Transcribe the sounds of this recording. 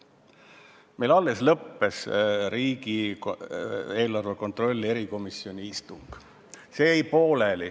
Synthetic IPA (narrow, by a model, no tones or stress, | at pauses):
mʔe̞jlɑlːe̞slɤpːe̞sɾiːɡi | e̞ːlɑrveko̞nt̪ro̞lʲːie̞ɾiko̞misːjio̞nʲiist̪uŋɡ̥ | se̞ːejpo̞ːleli